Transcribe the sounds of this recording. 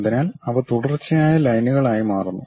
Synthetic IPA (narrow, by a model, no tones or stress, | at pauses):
d̪inaːlɐʋɐt̪uɽɐrt͡ɕːɐjaːjɐlɐjnuɣɐɭaːjimaːrunːu